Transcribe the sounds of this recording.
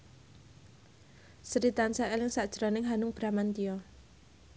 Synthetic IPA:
səɾit̪ansaʔelɪŋsaʔd̥ʒ̥əɾɔnɪŋɦanʊŋb̥ɾamant̪ijɔ

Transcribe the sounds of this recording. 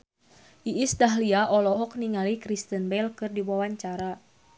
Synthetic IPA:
ʔiʔisdaɦliaʔɔlɔɦɔk̚niŋalikɾist̪ənbɛlkɨrdiwawaɲt͡ʃaɾa

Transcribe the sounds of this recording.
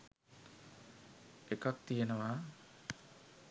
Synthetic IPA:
ekak̚t̪ijənəwa

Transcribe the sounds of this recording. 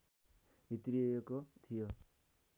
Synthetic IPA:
bʱit̪rijejekot̪ʰijo

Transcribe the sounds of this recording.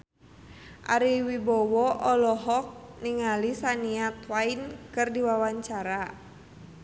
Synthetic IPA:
ʔaɾiwibɔwɔʔɔlɔɦɔk̚niŋalisaniat̪wainkɨrdiwawaɲt͡ʃaɾa

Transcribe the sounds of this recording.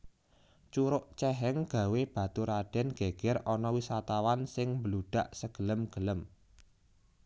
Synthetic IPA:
t͡ʃuɾʊʔt͡ʃɛɦɛŋɡ̥ä̤web̥ä̤t̪uɾaɖ̥ɛ̤nɡ̥eɡ̥ɛɾɔnɔwisat̪awansɪŋmbəluɖ̥a̤ʔsəɡ̥ələmɡ̥ələm

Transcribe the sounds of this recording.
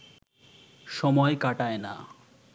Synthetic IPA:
ʃɔmɔekaʈaena̰

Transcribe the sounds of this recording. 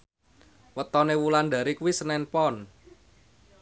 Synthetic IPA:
wət̪ɔnewulanda̤ɾikuwisənɛnpɔn

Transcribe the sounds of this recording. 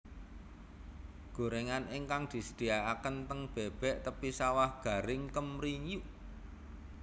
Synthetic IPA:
ɡ̥o̤ɾeŋaniŋkaŋd̪̥i̤səd̪̥i̤aakənt̪əŋb̥ɛb̥ɛ̤ʔt̪əpisawahɡ̥ä̤ɾɪŋkəmɾiɲuʔ

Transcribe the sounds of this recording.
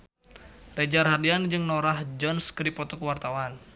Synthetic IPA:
red͡ʒarɦadiand͡ʒɨŋnoɾahd͡ʒɔnskəɾipɔt̪ɔkəwart̪awan

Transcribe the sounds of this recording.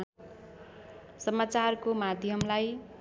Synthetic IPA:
sʌmat͡sarkomad̪ʱjʌmlaj

